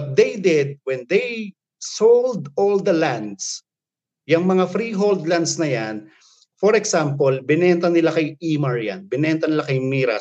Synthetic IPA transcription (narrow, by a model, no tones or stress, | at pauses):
t̪̚d̪ejd̪ɪd̪̚wɛnd̪ej | sowld̪old̪ɐlãnd̪s | jɐŋmɐŋafɾiɦold̪land̪snɐjan | fɔɾɛksampolbɪnɛnt̪ɐnɪlakɐjimɐɹja̰nbɪnɛnt̪ɐnɪlakɐjmiːɾɐ̰